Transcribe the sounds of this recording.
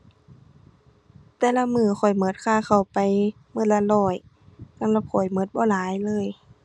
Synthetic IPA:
t̪ɛː˧˨la˧mɯː˧˩xʰɔ˨˩jmɤ˧˥t̪̚kʰaː˧˩xa˨˩wpa˨j | mɤ˧˩t̪̚la˧lɔː˧˩j | sa˧˥˨ŋla˧˩kʰɔ˨˩jmɤ˧˥t̪̚bɔː˧˦laː˨˦jlɤː˧˥˨j

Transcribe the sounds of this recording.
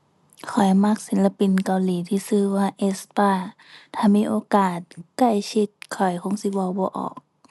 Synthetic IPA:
kʰɔ˨˩jma˧˩k̚si˨˦nla˧pi˨nka˨wliː˨˦t̪ʰiː˧sɯː˧˨waː˧ʔe˧spaː˧˩ | t̪ʰaː˧miː˧˥˨ʔoː˧˦kaː˨˩t̪̚ka˧˩jkʰi˧˦t̪̚kʰɔ˨˩jkʰo˧˥˨ŋsi˧˦bɔ˧˨wbɔː˧˦ʔɔ̰ː˨˩k̚

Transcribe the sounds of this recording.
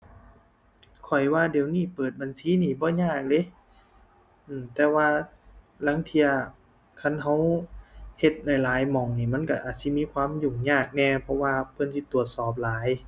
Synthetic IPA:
kʰɔ˨˩jwaː˧˩di˨˩əwniː˧˩pɤː˨˩t̪̚ba˨nsiː˨˦˥niː˧˩bɔː˧˦ɲaː˧˥˩k̚lɤ˧˥˨j | ʔɯː˨˩mt̪ɛː˧waː˧ | la˧˥˦ŋt̪ʰi˧ɐ | kʰa˧˥˨nɦa˧˥˨w | he˧t̪̚na˧˩jlaː˨˦jmɔ˨˩ŋniː˧˩ma˧˥˨nka˧˩ʔaː˨˩t̪̚si˧˦miː˧˥˨kʰwaː˧˥˨mjuː˨˩ŋɲaː˧˥˩k̚nɛː˧pʰɔ˧waː˧pʰɤ˧˥˨nsi˧˦t̪u˨˩ət̪̚sɔː˨˩p̚laː˨˦j

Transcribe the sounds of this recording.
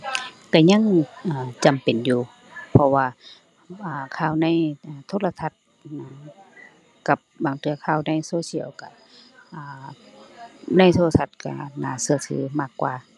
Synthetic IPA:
ka˧˩ɲa˧˥˨ŋʔaː˨˩t͡ɕa˨mpe˨˩njuː˧ | pʰɔ˧waː˧ | ʔaː˨kʰaː˧˩˨wna˧˥˨jʔaː˨˩t̪ʰoː˧˥˨la˧t̪ʰa˧˩t̪̚ | na˧˩ | ka˧˩p̚baː˨˩ŋt̪ʰɯ˧ɐkʰaː˧˩˨wna˧˥˨jsoː˧˦si˧˥˨ə˨wka̰˧˩ | ʔaː˨˩ | na˧˥˩jt̪ʰoː˧˨a˧t̪ʰa˧t̪̚ka̰˧˩na̰ː˨˧˩sɯ˧ɐ˨t̪ʰɯ̰ː˨˦maː˧˩kːwa̰ː˧

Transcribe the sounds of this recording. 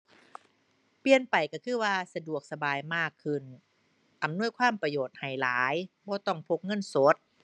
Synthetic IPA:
pi˧ənpa˨˩jka˧˩kʰɯː˧˥˩waː˧sa˧du˨˩ək̚sa˧baː˨˧jmaː˥˩kʰːɯ˧˩n | ʔa˨˩mnu˥˩əjkʰwaː˧˥˩mpɾa˧joː˨˩t̪̚ha˨˩jlaː˩˦jbɔː˧˩t̪ɔ˧˩ŋpʰo˧˥k̚ŋɤ˧˥˨nso˨˦t̪̚

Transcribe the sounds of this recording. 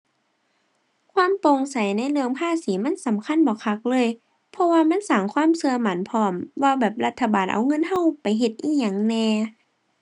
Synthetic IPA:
kʰwaː˧˥˨mpo˧ŋsa˨˦jna˧˥˨jlɯ˧əŋpʰaː˧˥˨siː˨˦ma˧˥˨nsa˨˦mkʰa˧˥˨nbɔː˨˩˦kʰa˧˥k̚lɤː˧˥˨j | pʰɔ˧waː˧ma˧˥˨nsaː˨˩ŋkʰwaː˧˥˨msɯ˧ɐma˨˦npʰɔː˧˦mwaː˧bɛː˨˩p̚la˧t̪ʰːa˧baː˨nʔa̰˨˩wŋɤ˧˥˨nha˧˥˨wpa˨˩jɦe˧t̪̚ʔiː˧˥ɲaː˨˩ŋnɛː˧

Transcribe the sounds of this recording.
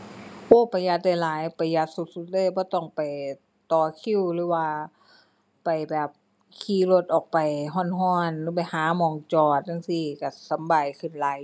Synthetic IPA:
ʔoː˧˩˨pa˨˩ja˧t̪̚da˧˩jlaː˨˦jpa˨˩jːa˧t̪̚su˧˦t̪̚su˧˦t̪̚lɤː˧˨jbɔː˧˦t̪ɔ˧˩ŋpa˨˩j | t̪ɔː˨˩kʰi˧˥˨wlɯː˨˦waː˧ | pa˨˩jbɛː˨˩p̚ | kʰiː˧˩˦lo˧t̪̚ʔɔː˨˩k̚pa˨˩jɦɔː˧˥˨nɦɔː˧˥˨nlɯː˧˦p̬a˨jhaː˨˦mɔː˨˩ŋt͡ɕɔː˨˩t̪̚ʔna˧˥˨nsiː˧˩ka˧˩sa˨˦mba˨˩jkʰɯ˧˩nla˨˧˦j

